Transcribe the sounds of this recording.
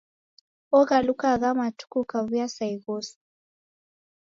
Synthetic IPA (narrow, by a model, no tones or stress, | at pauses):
ɔɣalukaɣamatu̥kukaβujasaiɣɔsi̥